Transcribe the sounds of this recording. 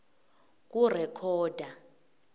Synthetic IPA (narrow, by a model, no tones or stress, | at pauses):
k̬urɛkʰɔːd̥ʱa